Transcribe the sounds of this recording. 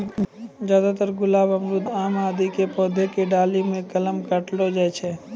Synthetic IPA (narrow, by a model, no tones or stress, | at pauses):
zjaːd̪at̪əɾɡʊlaːbəmɾʊt̪aːmaːd̪ikepɔːd̪ʱekeɖaːlimẽkɐləmkaʈlod͡ʒɛt͡ʃʰɛː